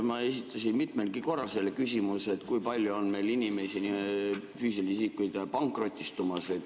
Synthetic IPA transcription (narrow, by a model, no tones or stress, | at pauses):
mɑe̞sit̪ʰːˑɑsinmit̪melɡ̥iko̞rːɑlselekysʲimuse̞t̪kujpɑlʲjuonme̞jlinimesinifyːsilisikːˑujd̪̥pɑŋkˑro̞t̪ʲˑːist̪umɑse